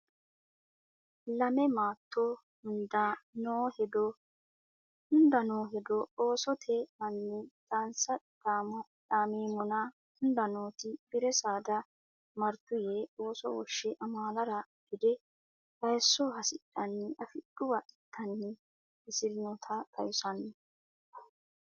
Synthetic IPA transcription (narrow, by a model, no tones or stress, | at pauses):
lɐmɛmaːt̪ʰːo | ʊnd̪ɐnoːhɛd̪ɔ | ʊnd̪ɐnoːɦɛd̪ɔoːsɔt̪ʰɛmɐnːɪd̪ʼaːnsɐ | daːmɔ | ᶑaːmiːmɔnɐ | ʊnd̪ɐnoːt̪ɪb̥ɪɾɛsaːd̪ɐ | mɐɾt̪ːʊjeːo̞ːsɔ̰wɔʃːɛʔɐmaːlɐɾɐ | b̥ɪd̪ɛ | bɐjsːɔhɐsɪᶑːɐnːɛʔɐfɪɗʊbɐʔɪtʰːɐnːɪ | ɪsɪɾɪnɔt̪ʰɐk̪ʼɐjʊsɐnːɛ